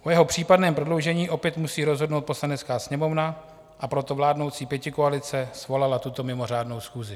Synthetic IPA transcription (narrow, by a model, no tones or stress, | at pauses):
ʔojɛɦo̞pr̝̥iːpadnɛːmpɾodlowʒɛɲiːʔo̞pjɛt̪musiːɾo̞zɦo̞dnowt̪̚po̞slanɛt͡skaːsɲɛmo̞vna | ʔapɾo̞t̪o̞vlaːdno̞wt͡siːpjɛcɪkoalɪt͡sɛsvo̞lalat̪ut̪o̞mɪmo̞r̝aːdno̞wsxuːzɪ